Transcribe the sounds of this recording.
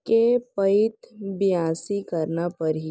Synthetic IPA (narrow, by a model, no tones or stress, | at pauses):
kepɐɪt̪bɪjaːsikɐɾnapɐɾɦi